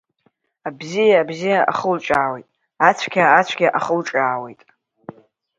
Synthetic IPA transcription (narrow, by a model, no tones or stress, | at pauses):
abzijaːbzijaʔa̰χəlʈ͡ʂʼaːwe̞jtʼ | at͡ɕʷʰkʲʰaːt͡ɕʷʰɡʲaʔaχəlʈ͡ʂʼaːwe̞jtʼ